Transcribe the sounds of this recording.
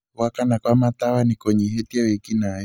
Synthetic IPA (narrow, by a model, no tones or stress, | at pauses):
wakanakwamat̪awanikɔɲɛɦetiawɛkinaj